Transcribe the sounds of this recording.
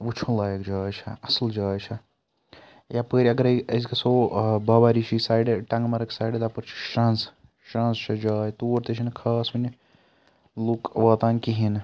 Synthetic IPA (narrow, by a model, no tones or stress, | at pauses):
ʋut͡ʃʰunlaːjəkd͡ʒaːjt͡ʃʰɐɐsəld͡ʒaːjt͡ʃʰɐ | japəːɾʲiɐɡɐɾɐɐzkɐsoːbɐːbaɾit͡ʃʰisaːjɖʈɐ̃ŋɡmɐɾɐksaːjɖd̪ɐpɐɾt͡ʃʰi̥ʃɾɐ̃ns | ʃɾãnst͡ʃʰɐd͡ʒaːjt̪uːɾt̪ɐt͡ʃʰinkʰɐːsʋɐni | lukʋɐːt̪ãnkiɦin